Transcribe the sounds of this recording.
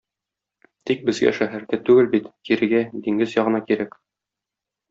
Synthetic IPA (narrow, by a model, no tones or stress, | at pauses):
t̪ik̚bɘ̆zɡæ̰ʃæɦæɾd̪æt̪ʉɡɘlbit̪kiɾɘ̆ɡæd̪iŋɡɘzjɒʁɤ̆nɑkiɾæk